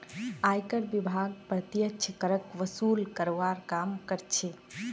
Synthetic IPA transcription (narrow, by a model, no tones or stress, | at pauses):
ajkəɾbibʱaɡ̚pɾət̪jəkt͡ʃʰkəɾəkʋəsuːlkəɾʋaɾkamkəɾt͡ʃʰe